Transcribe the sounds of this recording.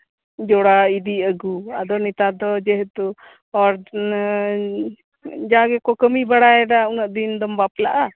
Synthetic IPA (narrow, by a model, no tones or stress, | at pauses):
d͡ʒɔɽaid̪iəɡuad̪ɔnit̪ad̪ɔd͡ʒɛɦt̪u | ɔɾ | d͡ʒaɡɛkɔkəmibaɽaɛɖaunəʔd̪ind̪ɔmbaplaʔa